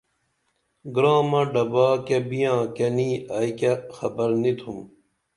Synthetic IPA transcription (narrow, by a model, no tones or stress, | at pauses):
ɡɾaːmɐɖɐbaːkebijãːkeniːajkexɐbɐɾnit̪ʰum